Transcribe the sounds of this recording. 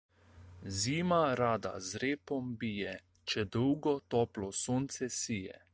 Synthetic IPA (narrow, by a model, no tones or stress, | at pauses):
ziːmaɾaːd̪a̰zɾeːpɔmbiːjɛ | t͡ʃɛd̪əwɡɔt̪ɔːplɔsoːnt̪sɛsiːjɛ̰